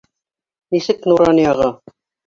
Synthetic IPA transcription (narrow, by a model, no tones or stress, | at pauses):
nisɘknuɾɑnjɑʁɤ